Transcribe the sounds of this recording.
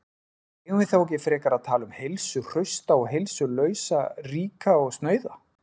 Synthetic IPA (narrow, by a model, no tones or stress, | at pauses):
ɛvɪθawɔkcɪfɾɛːkaɾaðt̪ʰaːlʏmhejlsʏr̥œɥst̪aɔɣɦejlsʏlœːɥsariːkaɔɣst̪nœːɥða